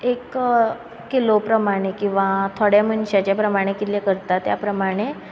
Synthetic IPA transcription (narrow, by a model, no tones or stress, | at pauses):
ek | kilopɾəmaɽ̃ekĩw̃ʋat̪ʰoɽjaməɳɕat͡ɕjapɾəmaɽ̃ekit̪lekəɾt̪at̪ja̰pɾəmaɽ̃e